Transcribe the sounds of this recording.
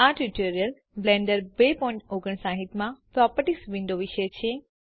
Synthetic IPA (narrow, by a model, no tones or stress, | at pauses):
aʈiʈoɾijəl | blẽɳɖəɾbepɔ̃ĩɳʈoɡəɳsãɦit̪mãpɾɔpəʈisʋĩnɖ̪oʋiʃəjt͡ʃʰe